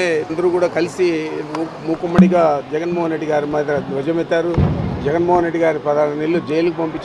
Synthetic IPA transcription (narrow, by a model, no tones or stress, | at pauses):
end̪ɐɾuːkuːɽaːkɐlisimu | muːkumːɐɽiɡaːd͡ʒɛɡɐnmoːɦɐnɾeɖːiɡaːɾimɐd̪ɐd̪ʋɐd͡ʒɐmet̪ːaːɾud͡ʒɛɡɐnmoːɦɐnɾe̞ɖːiɡaːɾipɐd̪aːɾɐnelːud͡ʒɛjlukupɐmpit͡ʃː